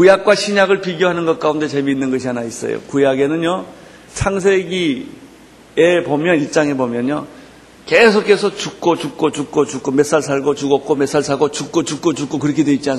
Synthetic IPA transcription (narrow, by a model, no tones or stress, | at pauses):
kujak̚k͈waɕʰiɲaɡɯɭpiɡjoɦanɯnɡʌt̚k͈aunde̞t͡ɕe̞minːɯnɡʌɕʰianais͈ʌ̰jo̰kujaɡe̞nɯnjo | sʰaŋsʰe̞ɡi | e̞pomjʌnit͡ɕ͈aŋe̞bomjʌnjo | ke̞sʰokʰe̞sʰʌt͡ɕuk̚k͈ot͡ɕuk̚k͈ot͡ɕuk̚k͈ot͡ɕuk͈ome̞s͈aɭs̬ʰaɭɡot͡ɕuɡʌk̚k͈ome̞s͈ʰaɭsʰaɡot͡ɕuk̚k͈ot͡ɕuk͈̚ot͡ɕuk͈okɯɾʌkʰedwe̞it̚t͡ɕ͈ian